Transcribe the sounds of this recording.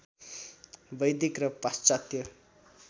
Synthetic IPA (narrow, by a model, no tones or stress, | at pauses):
bʌjd̪ikrʌpast͡sat̪jʌ